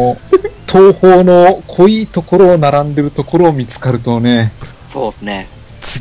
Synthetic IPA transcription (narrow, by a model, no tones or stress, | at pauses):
t̪ʰoːhoːno̞kʰo̞iːt̪o̞ko̞ɾo̞ːnaɾãnd̪e̞ɾɯ̟t̪o̞ko̞ɾo̞ːmʲit͡sɨ̥kaɾɯ̟t̪o̞ne̞ | soːsɨne | t͡ɕi